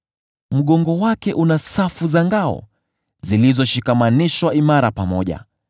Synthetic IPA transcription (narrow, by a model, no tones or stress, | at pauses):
m̩ɠɔŋɡɔwakɛʔunasafuzaŋɡaɔ̰ | zilizɔʃikamaniʃwaimaɾapamɔʄa̰